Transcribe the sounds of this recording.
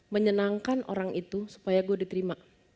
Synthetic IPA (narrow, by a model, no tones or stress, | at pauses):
məɲənaŋkanʔo̰ɾaŋʔit̪usu̥pajaɡuadit̪əɾima